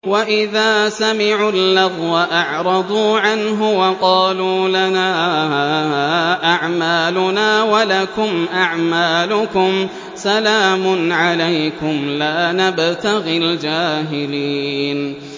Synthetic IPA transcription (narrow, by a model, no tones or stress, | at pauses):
waʔɪðaːsamɪʕulːɑðˤwaʔɑʕɾˤɑd̪ˤuːʕanɦʊwɑqɑːluːlanaː | ʔaʕmaːlʊnaːwalakʊmʔaʕmaːlʊkʊm | salaːmʊnʕalajkʊmlaːnabt̪aɣɪld͡ʒaːɦɪliːn